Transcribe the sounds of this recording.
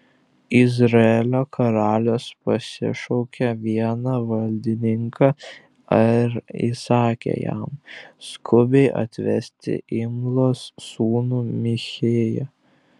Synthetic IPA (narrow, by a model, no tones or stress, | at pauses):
ɪzɾɐɛlʲoːkʰɐɾɑːlʲoːspɐsʲɪ̰ʃɔʊkʲɛʋʲiɛnɑʋɐlʲd̪ʲɪnʲɪŋkʰɑ | ɐɾḭsɑːkʲḛjæ̰mskʰʊbʲɛɪʔɐ̰t̪ʲʋʲɛ̰sʲt̪ʲɪ̰ʔɪmlˠoːsːuːnuːmʲɪxʲeːjɛ